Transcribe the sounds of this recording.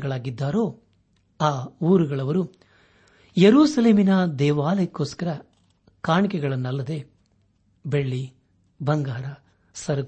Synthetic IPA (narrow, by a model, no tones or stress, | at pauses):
ɡɐɭaːɡid̪ːaːɾo̞ː | aːuːɾuɡɐɭɐʋɐɾu | jeɾuːsɐle̞ːminɐd̪ɛːʋaːlɐjɐkːo̞ːskɐɾɐ | kaːɳikɛɡɐɭɐnːɐlːɐd̪e̞ | beɭːi | bɐŋɡaːɾɐ | sɐɾɐ